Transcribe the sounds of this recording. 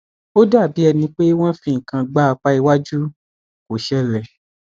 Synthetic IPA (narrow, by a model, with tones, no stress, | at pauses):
o˦da˦˨bi˨˦ɛ˧nĩ˧k͡pe˦w̃ɔ̃˦fĩ˦ŋ̩˨kã˧ɡ͡ba˦a˧k͡pa˦i˧wa˦d͡ʒu˦ | ko˨ʃɛ˦lɛ˨